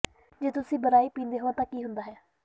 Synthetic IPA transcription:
d͡ʒeːt̪ʊsĩːbəɾaːiːpĩːnd̪eːɦoːãːt̪ãːkiːɦʊnd̪aːɦɛː

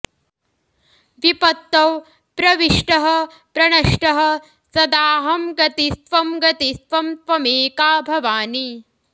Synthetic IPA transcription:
ʋipɐt̪ːɐw | pɾɐʋiʂʈɐɦɐ̆ | pɾɐɳɐʂʈɐɦɐ̆ | sɐd̪aːɦɐmɡɐt̪isʋɐmɡɐt̪isʋɐmt̪ʋɐmeːkaːbʱɐʋaːni

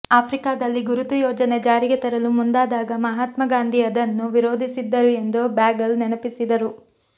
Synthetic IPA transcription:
aːpʰɾikaːd̪ɐlːiɡuɾut̪ujɔːd͡ʒɐned͡ʒaːɾiɡet̪ɐɾɐlumund̪aːd̪aːɡɐmɐɦaːt̪mɐɡaːnd̪ʱiɐd̪ɐnːuʋiɾoːd̪ʱisid̪ːɐɾue̞nd̪obaːɡɐlnenɐpisid̪ɐɾu

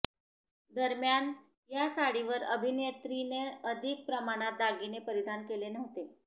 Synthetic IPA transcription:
d̪əɾmjan | jasaɽiʋəɾəbʱinet̪ɾineəd̪ʱik̚pɾəmaɽ̃at̪̚ːaɡinepəɾid̪ʱankelenəʋt̪e

